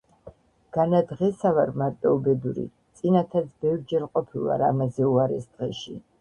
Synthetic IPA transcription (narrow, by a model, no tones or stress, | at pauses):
ɡ̥anad̪ʁɛsavaɾmaɾt̪ʼɔɔbɛd̪uɾḭ | t̪sʼinat̪ʰat̪sbɛvɾd͡ʒɛɾqʼɔpʰilˠa̰ɾa̰mazɛuaɾɛsd̪̥ʁɛʃi